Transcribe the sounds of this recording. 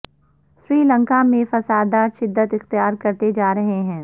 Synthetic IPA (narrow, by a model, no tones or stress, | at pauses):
sɾiːlə̃ŋkamẽfɐsaːd̪aʃɪd̪ːət̪ɪxt̪ijaːɾkɐɾt̪ed͡ʒaːɾɐɦeɦɛ̃ː